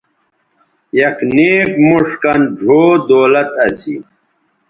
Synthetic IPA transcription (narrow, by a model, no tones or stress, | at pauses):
jɐkneːkmuʂkɐnɖʱoːd̪oːlɐt̪ɐsḭ